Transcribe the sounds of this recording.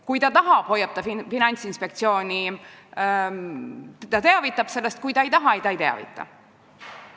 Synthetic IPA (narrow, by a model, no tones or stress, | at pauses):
kujt̪ɑt̪ɑɦɑb̥ho̞jːɑb̚t̪ɑfifinɑnʲt̪sinspe̞k̚t̪sio̞ːnʲi | t̪ɑt̪e̞ɑvit̪ːˑɑb̥se̞lːest̪̚kujt̪ɑejt̪ɑɦɑejt̪ɑejt̪e̞ɑ̰vḭt̪ˑːɑ̰